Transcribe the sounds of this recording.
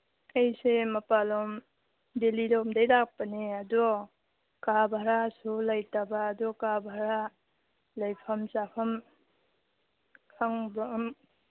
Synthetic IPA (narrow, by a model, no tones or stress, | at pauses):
ajsemɐpalɔm | delilɔmdajlak̚paneadɔ | kabʱaɾasulajtabaːdɔkabʱaɾa | lajpʰɐmsapʰɐm | kʰaŋbam